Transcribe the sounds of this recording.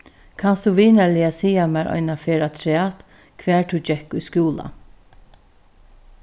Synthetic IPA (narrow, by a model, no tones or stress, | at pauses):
kʰanst̪uʋiːnalɪasiːamɛːɾʔɔ̰jnafeːɾat̪ʰɾɛːt̪ | kʰvʋɛːɹt̪ʰud͡ʒɛkujskjuːla̰